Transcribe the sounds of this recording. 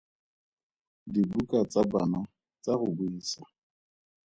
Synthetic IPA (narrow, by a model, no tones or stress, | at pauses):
dibukʼat͡sʼabana | t͡saɣʊbʊiːsa